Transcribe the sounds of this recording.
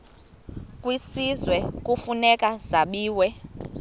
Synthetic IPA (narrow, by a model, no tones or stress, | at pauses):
kʼwisizwɛk̬ʼufunɛkʼazaɓiːwɛ